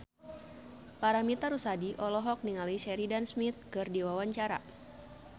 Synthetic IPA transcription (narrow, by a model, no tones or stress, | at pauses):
paɾamit̪aɾusadiʔɔlɔɦɔk̚niŋaliʃɛɾidansmit̪̚kɨrdiwawaɲt͡ʃaɾa̰